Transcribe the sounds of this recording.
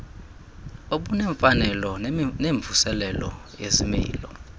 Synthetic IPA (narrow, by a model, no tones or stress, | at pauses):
oɓunɛɱfanɛlɔneɱb̪vʱusɛlɛlɔ̰ | jezimḭːlɔ